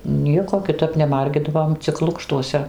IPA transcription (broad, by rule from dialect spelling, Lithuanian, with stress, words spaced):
ˈnʲiɛkoː kʲɪˈtɐp nʲɛˈmɐrʲɡʲɪdɐʋoːm t͡sʲɪk ˈlˠʊkʃtuɔsʲɛ